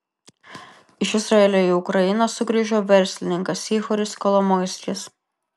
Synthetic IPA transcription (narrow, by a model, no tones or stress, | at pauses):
ɪʃɪsɾɐɛlʲoiʊkɾɐjɪnɐsʊɡʲɾʲiːʒʲoːʋʲɛɾʲsʲlʲɪnʲɪŋkɐsiːxɔɾʲɪskɔlˠomɔɪsʲkʲɪs